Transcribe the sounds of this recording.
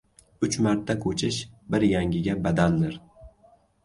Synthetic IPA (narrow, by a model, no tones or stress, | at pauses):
ʊt͡ʃmaɾt̪ʰːakʰot͡ʃʰɪʃbɪɾjaŋɡʲɪɡʲabad̪and̪ɪɾ